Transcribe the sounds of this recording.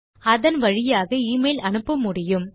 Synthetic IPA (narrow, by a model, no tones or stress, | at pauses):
ɐðɐnʋɐɻɪjaːɣɐiːmɐɪlʔɐɳɯpːɐmːʊɽɪjɯm